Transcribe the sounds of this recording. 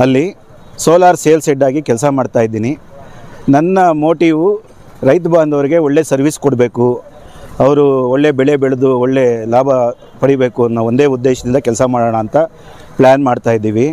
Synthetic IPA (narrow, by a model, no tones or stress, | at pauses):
ɐlːi | soːlaːɾse̞ːlseɖaːɡikɛlsɐmaːɖt̪aːjd̪ːiːni | nɐnːɐmo̞ːʈiːʋu | ɾɐjt̪ɐbaːnd̪ɐʋɐɾiɡe̞oɭːe̞ːsɐɾʋiskoɽbe̞ːku | ɐʋɐɾuoɭːe̞bɛɭebeɭud̪uoɭːe̞laːbʱɐ | pɐɽibe̞ːkuɐnːɐond̪e̞ːud̪ːeːʃɐd̪ind̪ɐkɛlsɐmaːɽoːɳɐːnt̪ɐ | pɭaːnmaːɖt̪aːjid̪iːʋi